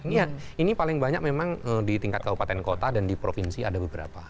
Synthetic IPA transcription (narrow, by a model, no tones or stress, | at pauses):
jainipalɪŋbaɲak̚memaŋədit̪iŋkat̪̚kabupat̪ɛnkot̪adandipɾofinsia̰dabəbəɾa̰pa